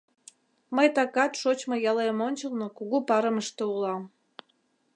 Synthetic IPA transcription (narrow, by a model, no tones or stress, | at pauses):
məjt̪ɑkɑt̪ʃot͡ɕmojɑlemonʲt͡ɕəlˠnokuɣupɑɾəməʃt̪oulɑm